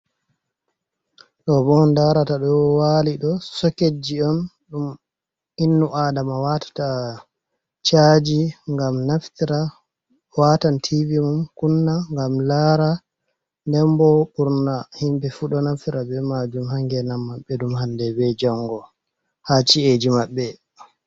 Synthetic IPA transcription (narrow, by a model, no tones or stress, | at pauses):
ɗɔbɔndaɾataɗɔwaliɗɔsɔked͡ʒiɔn | ɗum | inːuʔadamawatḁta | t͡ʃad͡ʒiŋɡamnaftiɾa | watantʰivimumkunːaŋɡamlaɾa | ndɛmbɔɓuɾnahimbɛfuɗɔnaftiɾabɛmad͡ʒumhaŋɡɛnamːaɓːɛɗumhandɛbɛd͡ʒɔŋɡɔ | hat͡ʃied͡ʒimaɓːɛ